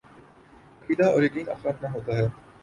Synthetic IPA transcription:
kʰiːd̪aɔ̰ːɾjɐkiːnɐ̰fɾaːt̪naɦoːt̪aɦɛː

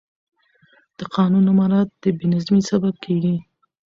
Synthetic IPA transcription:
d̪̥əqɑnunamɑɾɑt̪̚d̪̥əbenazmisabab̚kʰeɡi

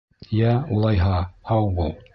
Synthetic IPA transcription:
jæulˠɑjɦɑhɑwbulˠ

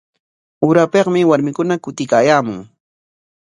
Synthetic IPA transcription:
ʊɾapeqmɪwaɾmɪkʊnakʊt̪ɪkaːjaːmʊŋ

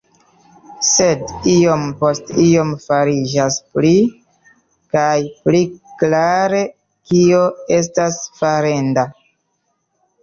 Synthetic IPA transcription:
se̞dio̞mpo̞stio̞mfaɾid͡ʒaspli | kajpliklaɾe̞ | kio̞e̞s̬tasfaɾenda

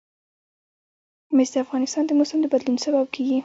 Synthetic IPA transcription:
mɪzd̪əafɣɑnɪst̪ɑnd̪əmosamd̪əbad̪lunsabab̚kʰeɡi

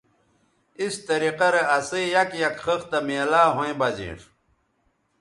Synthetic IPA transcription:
ist̪ɐɾiqɐɾeɐsejɐkjɐkχəxt̪ɐmeːlaːɦõẽbɐzḭːʈʰ

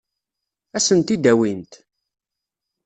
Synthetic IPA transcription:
æsənt̪id̪æwint̪

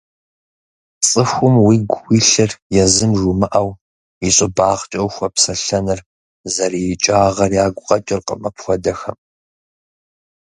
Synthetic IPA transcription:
t͡sʼɨxʷʊmwiːɡʷwiːɬɨrjɛzɨmʒumɨʔɐw | iɕʼɪbaːʁt͡ʃʼɐwxʷɐpsɐɬɐnɨr | zɐrit͡ʃʼaːʁɐrjaːɡʷʼʊqʼɐt͡ʃʼɪrqə̰mɐpxʷɔdɐxɐm

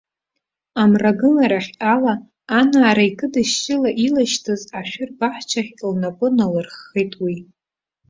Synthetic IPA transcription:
amraɡɨlaɾaχʲalaː | naːɾaikʼɨdɨʃt͡ʃʼɪlaʔilaʃtʰɨzaʃᶣʊrbaħt͡ʃʷʰaχʲlnapʼʊnalɨrχejtʼwi

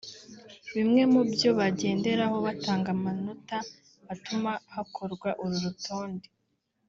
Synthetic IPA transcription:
βimŋe̞mubjo̞βaɟe̞ːnde̞ɾaho̞βataːŋɡamanuta | βatumahakʰo̞ɾɡwaʔuɾuɾutʰo̞ːnde

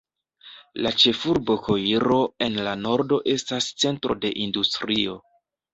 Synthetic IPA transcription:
lat͡ʃe̞fuɾbo̞kʰo̞iɾo̞e̞nlano̞ɾdo̞ʔe̞stast͡se̞ntɾʔo̞de̞ʔindustɾio̞

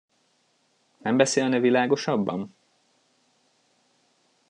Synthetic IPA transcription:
nɛmbɛseːlnɛvilaːɡo̞ʃɒbːɒ̰m

